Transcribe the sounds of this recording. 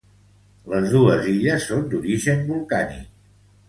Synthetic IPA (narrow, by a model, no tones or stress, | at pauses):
ləzðuəziʎəsːond̪uɾiʒəmbulˠkanḭk̚